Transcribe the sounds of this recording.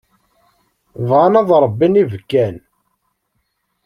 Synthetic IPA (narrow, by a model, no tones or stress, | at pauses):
vʁanæðˤɾˤəbːinivkːæn